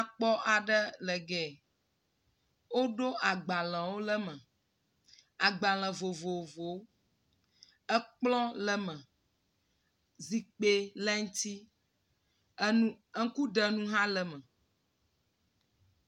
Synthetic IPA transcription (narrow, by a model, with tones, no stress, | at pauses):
a˦k͡pɔ˦ʔa˨ɖə˦lə˨ɡɛ˨ | wo˦ɖo˦ʔa˨ɡ͡ba˨l̃ɛ̃˨wo˦lə˦mə̃˨ | a˨ɡ͡ba˨l̃ɛ̃˨vo˨vo˨vo˨w | ə˦k͡plɔ̃˦lə˦mə̃˨ | zi˨k͡pe˦lɛ˦ŋ̩˦t̪i˦ | ŋ̩˦ku˦ɖə˨nũ˦ɦã˦lə˨mə̃˨